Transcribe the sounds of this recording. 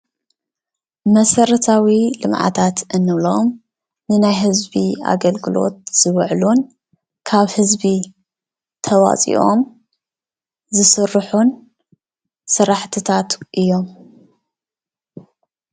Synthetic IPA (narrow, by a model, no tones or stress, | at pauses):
mɐsɐɾɐt̪ʰawilɨmʕa̰t̪ʰat̪ʔɨnːɨβlom | nɨnajɦɨzbia̰ɡɐlɡɨlo̞̰t̪̚z̥ɨβɨʕlun | kʰaβhɨzbi | t̪ʰɐwa̰t͡sʼḭʔo̞m | zɨsɨrːħun | sɨɾaħt̪ʰɨt̪ʰat̪ʔɨjːo̞m